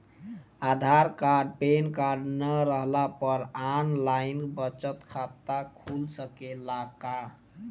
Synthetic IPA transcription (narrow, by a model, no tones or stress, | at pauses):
ad̪ʱaɾkaɾɖ̚penkaɾɖnəɾəɦlapəɾanlainbət͡ʃət̪kʰat̪akʰulsəkelaka